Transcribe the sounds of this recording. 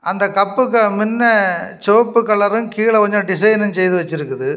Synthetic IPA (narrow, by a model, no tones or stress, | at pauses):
ɐnd̪ɐkɐpːɯkːɐmɪnːɐt͡ʃoːpːɯkːɐɭːɐɾɯmkiːɭɐkɔɲd͡ʒɔ̃ɖɪs̬ɐjnɐnsɛjðɯʋɐt͡ʃːɪɾɯkːɯðɯ